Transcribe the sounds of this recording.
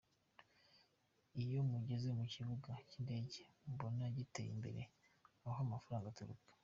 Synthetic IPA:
ijo̞muɟe̞ze̞muciβuɡacinde̞ːɟembo̞naɟitḛjḭmbḛɾe̞̰ | aɦamafaɾaːŋɡatuɾṵkḁ

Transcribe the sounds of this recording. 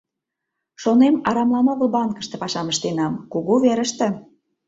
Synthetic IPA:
ʃonemɑɾɑmlɑmoɣəlbɑnkə̥̆ʃt̪ĕpɑʃɑməʃt̪enɑmkuɣuβeɾəʃt̪ĕ

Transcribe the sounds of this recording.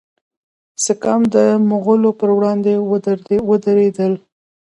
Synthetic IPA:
səkamd̪əmʊɣəlopəɾwɽɑnd̪ewəd̪əɾed̪əl

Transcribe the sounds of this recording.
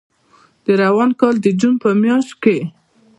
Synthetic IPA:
d̪̥əɾawɑnkɑld̪əd͡ʒunpəmjɑʃt̪ke

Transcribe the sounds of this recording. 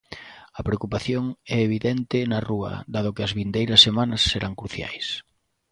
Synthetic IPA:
ɐpɾeokupaθjoŋɛeβ̞iðɛnt̪ɪnɐruɐ̰ðað̞ʊkɪɐzβind̪ejɾɐsːemanɐsːeɾʔaŋkɾuθja̰js

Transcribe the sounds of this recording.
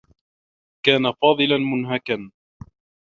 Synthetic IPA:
kaːnafɑːðˤɨlanmʊnɦakan

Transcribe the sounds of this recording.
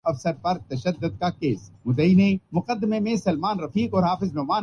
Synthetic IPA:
ɐfsəɾpɐɾt̪ɐʃəd̪ːʊd̪̚kakeːsɡʊd̪əinẽmʊqəd̪ːɪmemẽsɐlmaːnɾɐfiːkɔːɾɦaːfɪznɔːmaː

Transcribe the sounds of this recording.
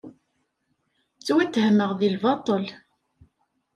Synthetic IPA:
t͡sːwæt̪ːhməʁðilvɑt̪ˤəl

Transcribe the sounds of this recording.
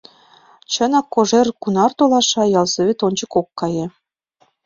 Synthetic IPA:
t͡ɕɤ̆nɑkːoʐerkunɑrt̪olˠɑʃɑjɑlzɤ̆βʲet̪onʲd͡ʑɤ̆kokːɑjĕ

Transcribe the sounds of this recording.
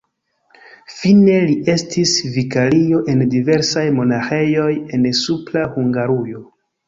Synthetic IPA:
fine̞liʔe̞stʰisvikalio̞ʔe̞ndive̞ɾsajmo̞naxe̞jo̞je̞nsuplahuŋɡaɾujo̞

